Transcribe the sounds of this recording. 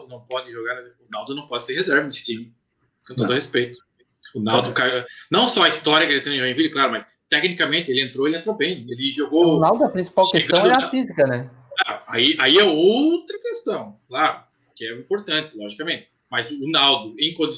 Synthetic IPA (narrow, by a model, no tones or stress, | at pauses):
nɐ̃w̃pɔd̪ɪʒoɡaɾʊnawd̪ʊnɐ̃w̃pɔd̪ɪseɾhezɛɾvɐsĩ | kõt̪od̪ɐhespejt̪ʊ̥ | ʊnawd̪ʊkajnɐ̃w̃sɔɐist̪ɔɾiɐkɪelɪt̪ẽʒoɡẽvilɪklaɾʊmɐs | t̪ɛknikɐmẽnt̪ɪelɪẽnt̪ɾoelɪẽnt̪ɾobẽj̃elɪʒoɡonawd̪ʊɐpɾĩsi̥pawkesst̪ɡɐ̃d̪ɛɐfizikɐnɛ | ɛaiaiɛowt̪ɾɐkest̪ɐ̃w̃klaɾʊ | kɪɛĩmpoɾt̪ɐ̃nt̪ɪ̥lɔʒikɐmẽnt̪ɪ̥ | mɐzʊnawd̪ʊẽj̃kõd̪i